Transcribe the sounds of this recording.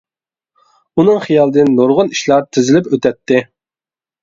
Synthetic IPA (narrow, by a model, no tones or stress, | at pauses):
unɨŋχijɑlˠɨd̪ɨnːoɾʁʊniʃlˠɑɾt̪ʰɪzɪlɪpøt̪ɛt̪ːɪ